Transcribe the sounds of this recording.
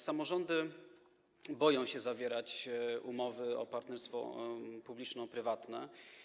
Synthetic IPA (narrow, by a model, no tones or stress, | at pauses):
samɔʐɔnd̪ɘ | bɔjɔ̃w̃ɕɛzavʲjɛɾat͡ɕumɔvɘɔ̰paɾt̪nɛɾst̪fɔ̰publʲit͡ʂnɔ̃pɾɘvat̪nɛ̰